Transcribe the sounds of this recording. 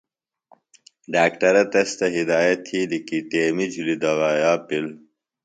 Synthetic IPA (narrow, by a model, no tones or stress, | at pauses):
ɖaːkʈɐɾɐt̪ɐst̪ɐɦid̪aːjɐt̪ʰhilikiʈeːmid͡ʑulid̪ɐɣaːjaːpil